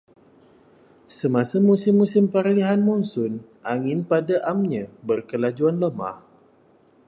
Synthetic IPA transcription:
səmãsəmusɪmːusɪmpaɾliɦanmɔnsʊn | ʔaŋɪ̃npadaʔamɲãbərkəlad͡ʒuanləma̰h

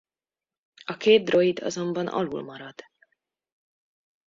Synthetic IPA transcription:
ɒkeːt̪̚d̪ro̞id̪ɒ̰zo̞mbɒnʔɒ̰lṵlmɒɾɒd̪̥

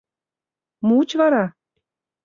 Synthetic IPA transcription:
muut͡ɕvɑɾɑ

